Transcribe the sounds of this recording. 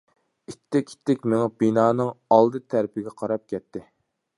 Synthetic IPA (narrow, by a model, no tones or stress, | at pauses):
it̪ʰːɪkʲi̥t̪ʰːɪkʲmeŋɪbinɑːnɨŋɑlˠd̪ɨt̪ʰæɾpɪɡʲɛqʰɑɾɑp̚kʲɛt̪ʰːɪ